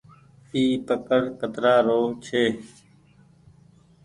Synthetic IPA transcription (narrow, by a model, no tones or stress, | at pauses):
iːpəkəɾkət̪ɾaːɾoːt͡ʃʰeː